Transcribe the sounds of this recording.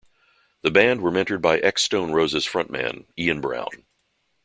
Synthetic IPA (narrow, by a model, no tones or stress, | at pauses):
ðɨbæ̃nd̚wə˞mɛ̃ntə˞d̚baɪʔɛkstõʊ̃nɹoʊzɨz̥fɹʌ̃nmæ̰̃niɨ̃nbɹã̰ʊ̃n